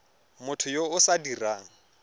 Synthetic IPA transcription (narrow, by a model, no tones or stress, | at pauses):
mʊtʰʊjoʊsadiraːŋ̩